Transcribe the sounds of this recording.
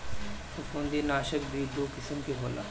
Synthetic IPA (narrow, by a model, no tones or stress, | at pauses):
sʊfũːnd̪iːnaːʃək̚bʱiːd̪oːkɪsəmkeɦoːla̰ː